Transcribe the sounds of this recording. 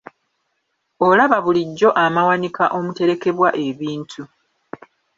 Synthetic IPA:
olaβaβuliɟːo̞ʔamawanikaʔo̞mute̞ɾe̞ke̞βwaʔe̞βiːntʰu

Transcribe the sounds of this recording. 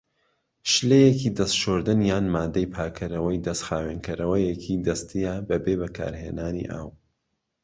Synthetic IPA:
ʃlejekiːd̪ɐst̪ʃoːɾd̪ɨnjaːnmaːd̪ɐjpʰaːkʰɐɾɐwɐjd̪ɐst̪xaːweːnkʰɐɾɐwɐjekʰid̪ɐst̪ʰijabɐbeːbɐkʰa̰ːɾhḛːnaːnḭʔa̰ːw

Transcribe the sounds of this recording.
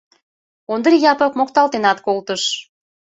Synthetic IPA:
ond̪əɾijɑpəkmok̚t̪ɑlt̪enɑt̪kolt̪əʃ

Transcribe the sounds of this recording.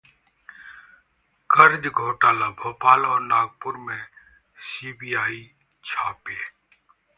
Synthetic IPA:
kʰəɾd͡ʒɡʱoːʈaːlaːbʱoːpaːlɔːɾnaːɡ̚pʊɾmẽː | siːbiːaːiː | t͡ʃʰaːpeː

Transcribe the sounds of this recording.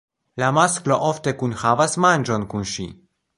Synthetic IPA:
lamasklo̞ʔofte̞kunhavasmand͡ʒo̞nkunʃḭ

